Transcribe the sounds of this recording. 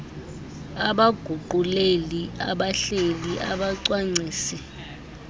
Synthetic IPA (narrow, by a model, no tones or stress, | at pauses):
aɓaɡ̥ʱuǃulelia̰ɓaɬeliʔa̰ɓaǀwaŋ͡ǀʱiːsɛ